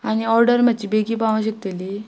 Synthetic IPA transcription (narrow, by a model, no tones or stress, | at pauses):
añiɔɾɖəɾm̤ət̪ːt͡ɕiːbeɡiːpaʋãɕək̚t̪eli